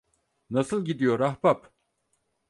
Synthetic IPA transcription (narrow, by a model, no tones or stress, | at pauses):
nasɯlˠɟid̪ijo̞ɾahbap